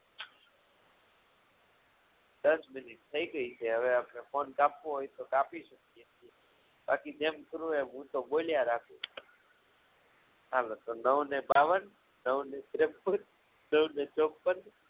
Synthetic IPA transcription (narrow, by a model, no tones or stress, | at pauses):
d̪əsmɪnɪʈ̚t̪ʰəiɡəit͡ʃʰeɦəʋeapnefonkapːoɦojt̪okapiʃəkijet͡ʃʰie | ba̰kid͡ʒemkəɾũeɦũt̪oboljaɾakʰu | ɦalot̪onəwnebaʋən | nəwnet̪ɾepːəd͡ʒ | nəwnet͡ʃok̚pən